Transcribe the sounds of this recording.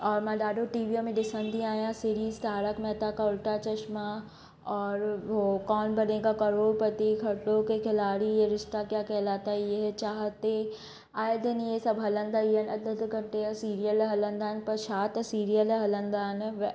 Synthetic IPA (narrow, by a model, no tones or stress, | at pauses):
ɔːɾmãɖ̪aːɖoʈiːʋiomẽɖɪsə̃nd̪iaːjãsiɾiːzt̪aːɾəkmɛːt̪akaʊlʈat͡ʃɐʃma | ɔːɾokɔːnbɐneːɡakɐɾoːɽpət̪ikʰɐʈːõkekʰɪlaːɽijeɾɪʃt̪akjaːkɛɦlaːt̪ajeɦɛt͡ʃaːɦt̪e | aːjd̪ənjesɐbɦɐlə̃nd̪ajiənɐd̪ət̪ɡʱɐ̃ɳʈeasiːɾijəlɦɐlə̃nd̪aːnpɐɾʃaːt̪siːɾijəlɦɐlə̃nd̪aːnʋ